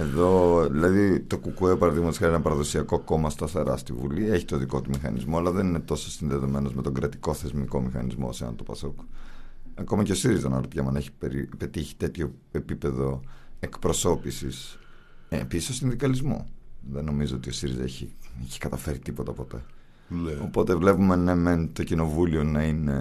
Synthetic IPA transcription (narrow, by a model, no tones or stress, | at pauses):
e̞ðo̞ðilɐðit̪o̞kukuepɐɾɐðiɣmɐt̪skɐɾenɐpɐɾɐðo̞siɐko̞ko̞mɐst̪ɐθeɾɐ̰st̪ivṵlieçit̪o̞ðiko̞t̪umixɐ̰nḭzmoɐlɐðe̞nine̞t̪o̞sosinðe̞ðo̞me̞no̞zme̞t̪o̞ɡɾɐt̪i̥ko̞θe̞zmiko̞mixɐ̰nizmo̰seɐ̰nt̪opɐsok | ɐko̞mɐce̞o̞siɾizɐnɐɾot̪ʝɐmɐneçi̥peɾipe̞t̪içi̥t̪e̞t̪ço̞ | epipe̞ðo̞e̞kpɾo̞so̞pisis | episi̥sosinðikɐlizmo̰ðeno̞mizoot̪io̞siɾizɐeçieçi̥kɐt̪ɐfe̞ɾit̪ipo̞t̪ɐpo̞t̪e̞̰ | o̞po̞t̪evle̞pume̞nɐment̪o̞cino̞vulio̞nɐine̞